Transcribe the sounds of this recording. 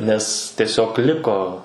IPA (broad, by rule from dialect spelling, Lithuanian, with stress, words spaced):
nʲɛs tʲiɛˈsʲoːk ˈlʲɪkoː